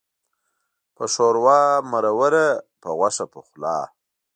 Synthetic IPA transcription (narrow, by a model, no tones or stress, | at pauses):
pəʂoɾwɑːmaɾawəɾapəɣwaʂapəxlɑ̰ː